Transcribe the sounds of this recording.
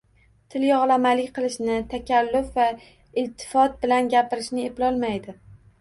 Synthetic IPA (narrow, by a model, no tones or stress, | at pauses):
t̪ʰɪljɒʁlˠamalɪkʲqʰɨlˠɪʃnɪt̪ʰakʲʰalːʊfva | ɪlt̪ʰːɪ̥fɒt̪̚bɪlanɡʲapɪɾɪʃnɪeplɒlˠmajd̪ɪ